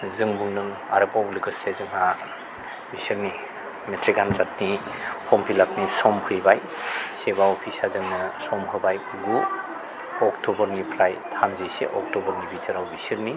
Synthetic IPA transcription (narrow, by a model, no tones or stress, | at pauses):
zɯŋbuŋnɯŋ | a̰ɾɯpawlikɯsezɯŋa | bisiɾni | metʰɾikanzat̚nihʰɔmpʰilap̚nisɔmpʰɯjbaj | sebawpʰisazɯŋnɯsɔmpʰɯbaj | ɡu | ɔktɔbɔɾnipʰɾajtʰamzejsḛʔɔk̚tɔbɔɾnibitʰɯɾawbisiɾni